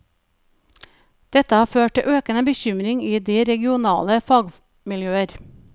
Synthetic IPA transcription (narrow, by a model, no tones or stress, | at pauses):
d̪̥ɛt̪əhɑːføːʈ̚ʈɪ̰ʔøːkənəbəçʏmɾɪŋiːd̪iːɾɛɡɪʊnɑ̰ːləfɑːɡ | mɪljøːəɾ